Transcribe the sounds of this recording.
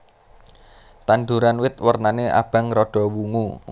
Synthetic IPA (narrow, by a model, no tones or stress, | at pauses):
t̪anɖ̪uɾanwɪt̪wərnaneʔa̰b̥a̤ŋrɔɖ̥ɔ̤wuŋu